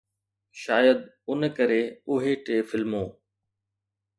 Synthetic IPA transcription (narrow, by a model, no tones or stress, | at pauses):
ʃaːjəd̪ | ʊnkəɾeːʊɦeʈeːfɪlmõː